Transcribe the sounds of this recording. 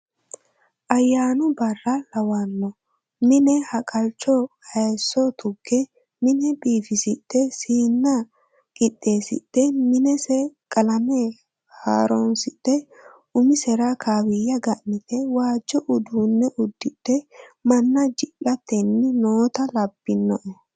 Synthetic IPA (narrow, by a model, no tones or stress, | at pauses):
ʔɐjːaːnʊbɐrːɐlɐwɐnːɔ | mɪnɛhɐkʼɐlt͡ʃːɔhɐjsːɔt̪ʰʊɡːɛ | mɪnɛbiːfɪsɪt̪ːɛsiːnːɐ | kʼɪt̪ʼːe̞ːsɪ̰t̪ːɛmɪnɛsɛkʼɐlɐme | ha̰ːɾɔnsɪt̪ːɛʔʊmɪsɛɾakʰaːwɪjːɐɡɐʔnɪt̪ɛwaːd͡ʒːɔʔʊd̪uːnːɛʔʊd̪ːɪt̪ːɛmɐnːɐd͡ʒɪʔɐt̪ːɛnːɪnoːt̪ɐlɐbːɪnːɔʔ